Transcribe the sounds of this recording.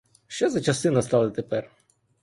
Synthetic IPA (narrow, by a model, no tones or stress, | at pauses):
ʃt͡ʃɛzɐt͡ʃɐst̪ɪnɐst̪ɑlˠɪt̪epɛr